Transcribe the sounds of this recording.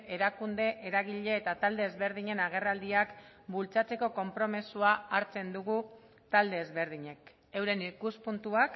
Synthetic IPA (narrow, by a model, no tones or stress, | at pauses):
e̞ɾakund̪e̞ʔeɾaɣ̞iʎe̞ːt̪at̪ald̪e̞ːzβe̞ɾðiɲe̞naɣ̞e̞rald̪iak | bult͡sat͡se̞ko̞ko̞mpɾo̞mesuaaɾt͡se̞nd̪uɣu | t̪ald̪e̞ːzβe̞ɾðiɲe̞k | e̞wɾe̞nikuspunt̪uak